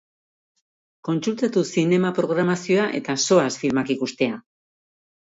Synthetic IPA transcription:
ko̞nsult̪at̪usine̞mapɾo̞ɣɾamasio̞aʔe̞̰t̪aso̞asfilmakikust̪e̞a

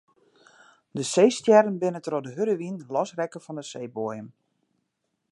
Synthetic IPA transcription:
dəseːstjɛɾənbɪnətərodəɦøɾəʋinlɔsrɛkəfɔndəsejboəjəm

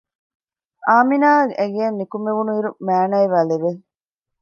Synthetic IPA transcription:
aːminaːɡʔeɡeɐnːikumeʋunuiɾumæːnɐiʋæːleʋe

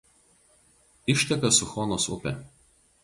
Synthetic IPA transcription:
ɪʃʲt̪ʲɛkɐsʊxɔnoːsʊ̰pʲɛ̰

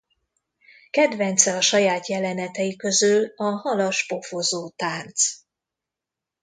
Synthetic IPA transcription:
kɛd̪vɛnt̪sɛɒʃɒjaːt̪jɛlɛnɛt̪ɛjikøzylɒhɒlɒʃpo̞fozoːt̪aːrt̪s

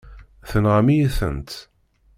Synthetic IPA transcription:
θənʁəmijiθə̰nt̪

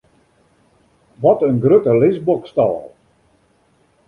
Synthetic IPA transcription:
ʋɔtənɡrøtəlɪsbɔkstɔːl

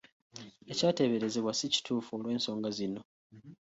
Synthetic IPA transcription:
e̞caːte̞βe̞ɾe̞ze̞βwasici̥tʰuːfuolwe̞ːnso̞ːŋɡazinːo̞

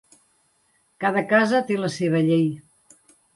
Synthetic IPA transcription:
kaðəkazət̪eləseβ̞əʎej

